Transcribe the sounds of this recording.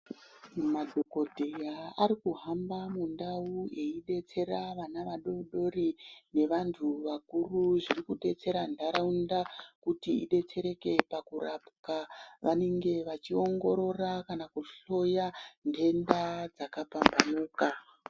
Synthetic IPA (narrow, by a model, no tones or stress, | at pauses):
umadʱoko̞dʱejaaɾikuɦambamundaue̞iɗe̞t͡se̞ɾaʋanaʋaɗoɗo̞rine̞ʋantʰuʋakuruʐirikuɗe̞t͡se̞ɾandaɾaundakutiḭɗe̞t͡se̞ɾe̞ke̞pakurapkaʋane̞ŋɡe̞ʋat͡ʃio̞ŋɡo̞ɾo̞rakanakuɬo̞jande̞ndad͡zakapambanuːka